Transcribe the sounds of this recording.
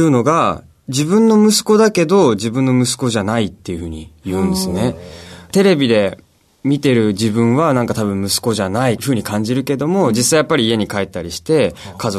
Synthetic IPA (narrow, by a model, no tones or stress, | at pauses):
ɯ̟no̞ɡa | d͡ʑibɯ̟̃nːo̞mɯ̟sɨ̥ko̞d̪ake̞d̪o̞d͡ʑibɯ̟̃nːo̞mɯ̟sɨ̥ko̞ʑanait̪ːe̞jɯ̟hɯ̟ːɲ̟ijɯ̟̃ːnd̪e̞sɨne̞t̪e̞ɾe̞bʲid̪e̞ | mʲit̪e̞ɾɯ̟d͡ʑibɯ̟̃ɰ̃βanãŋkat̪aβɯ̟̃mmɯ̟sɨ̥ko̞ʑanaiɸɯ̟ːɲ̟ikãɲ̟d͡ʑiɾɯ̟ke̞d̪o̞mo̞d͡ʑisaijapːaɾʲiːe̞ɲ̟ikaet̪ːaɾʲiɕi̥t̪e̞kazo